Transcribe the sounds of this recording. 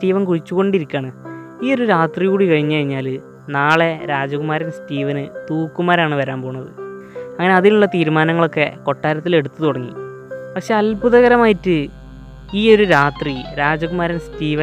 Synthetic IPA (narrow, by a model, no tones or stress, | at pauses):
stiːʋɐnkuɻit͡ɕːuɣo̞ɳɖiɾikʲːaːɳɨ | iːo̞ɾuɾaːt̪riɣuːɽikɐɻiɲːɨkɐɻiɲːaːl | naːɭe̞ɾaːd͡ʑɐkumaːɾɐnstiːʋɐnɨt̪uːkːumaːɾaːɳɨʋɐɾaːmpo̞ːuɳːɐðɨɐŋːɐne̞ɐðiluɭːɐt̪iːɾmaːnɐŋːɐɭo̞kːe̞ko̞ʈːaːɾɐt̪ːile̞ɽut̪ːɨt̪uɽɐŋːḭ | pɐkʂe̞ɐlbuðɐɣɐɾɐmaːjitːɨ | iːo̞ɾuɾaːt̪riɾaːd͡ʑɐɣumaːɾɐnstiːʋɐ